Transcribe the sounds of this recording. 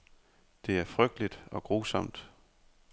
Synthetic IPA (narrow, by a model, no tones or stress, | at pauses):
d̥e̝æɐfʁœɡ̥̚d̥əlid̥ɒ̽ɡ̥ʁoːsɒ̽m̰d̥